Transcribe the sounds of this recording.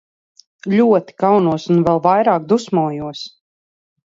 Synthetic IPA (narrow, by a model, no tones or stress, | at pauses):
lʲuɔt̪i̥kawnuɔsunvɛlˠvajɾaːk̚d̪usmuːjuɔs